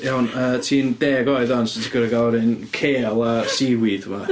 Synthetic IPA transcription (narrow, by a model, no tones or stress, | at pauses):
jawnəːtʰiːndeːɡɔɨðɔnsɪtʰikʰəɾəɡaɾɪnkʰeːlˠasiwiðuma